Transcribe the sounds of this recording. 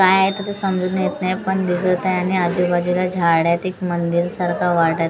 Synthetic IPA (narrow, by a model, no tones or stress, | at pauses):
kajaɦet̪ət̪esəmd͡ʑud̪ʱnəjet̪naepəɳd̪isəɭt̪ajaɽ̃iad͡ʑubad͡ʑulad͡ʑʱaɽjat̪ekmənd̪iɾsaɾkʰaʋaʈəɾ